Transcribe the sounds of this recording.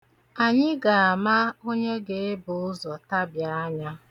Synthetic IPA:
a˨ɲɪ˦ɡa˨a˨ma˦o˦ɲe˦ɡe˨e˦bʊ˨ʊ˦zɔ˨ta˦bja˨a˦ɲa˦

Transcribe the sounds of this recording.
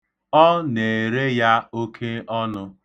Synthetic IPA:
ɔ˦ne˨e˨ɾe˦ja˦o˦kʰe˦ɔ˦nʊ˦

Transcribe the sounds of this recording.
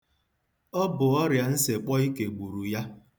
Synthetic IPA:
ɔ˦bʊ˨ɔ˦ɾja˨n̩˦se˨k͡pɔ˦i˦ke˨ɡ͡bu˨ɾu˨ja˦

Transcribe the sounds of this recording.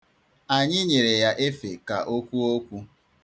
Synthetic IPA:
a˨ɲɪ˦ɲe˨ɾe˨ja˦ʔe˦fe˨ka̰˨ʔo˦kʷu˦o˦kʷu˦

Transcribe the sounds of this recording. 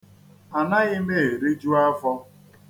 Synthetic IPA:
a˨na˦ɣɪ˦me˦e˨ɾi˦d͡ʒu˦a˦fɔ˦

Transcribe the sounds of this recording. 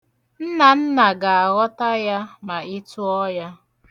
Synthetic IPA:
n̩˦na˨n̩˦na˨ɡa˨a˨ɣɔ˦ta˦ja˦ma˨ɪ˦tu˦ɔ˦ja˦

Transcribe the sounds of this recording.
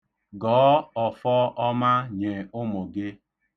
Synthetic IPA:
ɡɔː˨˦ɔ˨fɔ˦ʔɔ˦ma˦ɲe˨ʊ˦mo˨ɡe˦

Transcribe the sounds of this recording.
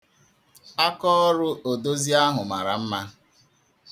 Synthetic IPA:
a˦kɔ˦ɔ˦ɾʊ˦ʔo˨do˦zi˦a˦ɦʊ˨ma˨ɾa̰˨m̩˦ma˦

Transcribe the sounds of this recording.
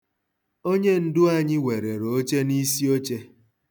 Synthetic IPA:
o˦ɲe˦n̩˦dʊ˦a˨ɲɪ˦we˨ɾe˨ɾo˦t͡ʃe˦ni˦si˦o˦t͡ʃe˦

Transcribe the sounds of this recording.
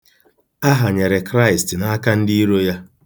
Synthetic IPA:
a˦ɦa˨ɲe˨ɾe˨kɾa˦ɪ˨stna˦ka˦n̩˦di˦i˦ɾo˦ja˦

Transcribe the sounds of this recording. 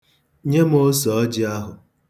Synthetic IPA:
ɲe˦m˦o˦sɔ˨ɔ˦d͡ʒɪ˦a˦ɦʊ˨

